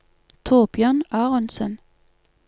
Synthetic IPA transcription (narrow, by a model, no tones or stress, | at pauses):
t̪ʰoːbjœːnɑːʁənsən